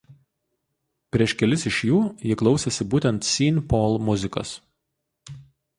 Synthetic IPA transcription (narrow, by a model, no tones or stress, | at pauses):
pʲɾʲiɛʃkʲɛlʲɪsɪʃʲjuːjɪklˠɒʊsʲesʲɪbuːt̪ʲɛnt̪sʲiːnʲpoːlˠmʊzʲɪkɐ̰s